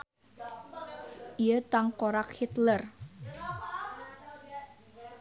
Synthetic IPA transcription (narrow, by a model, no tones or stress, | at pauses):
ʔijət̪aŋkoɾakhit̪lər